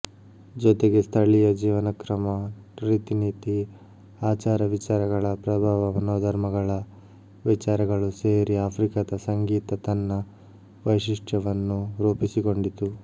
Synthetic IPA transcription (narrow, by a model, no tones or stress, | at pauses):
d͡ʒɔt̪eɡe̞st̪ʰɐɭijɐd͡ʒiːʋɐnɐkɾɐmɐ | pɾit̪iniːt̪i | aːt͡ʃaːɾɐʋit͡ʃaːɾɐɡɐɭɐpɾɐbʱaːʋɐmɐnɔːd̪ʱɐɾmɐɡɐɭɐ | ʋit͡ʃaːɾɐɡɐɭuse̞ːɾiaːpʰɾikɐd̪ɐsɐŋɡiːt̪ɐt̪ɐnːɐ | ʋɐjʂiʂʈʰɐʋɐnːuɾuːpisiko̞ɳɖit̪u